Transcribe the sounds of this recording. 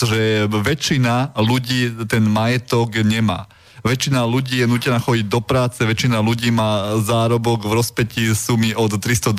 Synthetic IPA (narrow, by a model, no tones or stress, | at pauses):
ɔʒɛʋɛt͡ʃinaluɟiːt̪ɛnmajɛt̪ɔɡɲɛma̰ː | ʋɛt͡ʃinaluɟiːjɛnuːcɛnaːxɔɟiɟ̚d̪ɔpɾaːt͡sɛʋɛt͡ʃinaluɟiːmaːzaːɾɔbɔɡvɾɔspɛcisumiʔɔt̪ːɾist̪ɔd̪